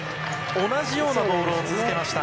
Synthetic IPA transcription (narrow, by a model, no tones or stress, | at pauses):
o̞naʑijo̞ːnad̪o̞ːɾo̞ːt͡sɨzɨkʲe̞maɕi̥t̪a